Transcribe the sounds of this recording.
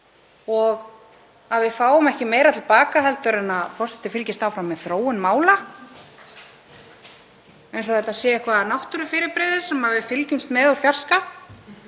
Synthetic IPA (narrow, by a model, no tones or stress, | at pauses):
ɔɣ | aðvɪðfaːwʏmɛhcɪmeːjɾat̪ʰɪlpaːkaɦɛlt̪ʏɾɪnaðfɔr̥sɛt̪ɪfɪlcɪst̪aːwfɾamːɛðθɾoːwʏnmaːwla | ejnsɔθɛt̪asjɛːɪhkvanawht̪ʏɾʏfɪːɾɪɾpɾɛðɪ̥sɛmhavɪfɪlcʏnst̪mɛːðafjar̥ska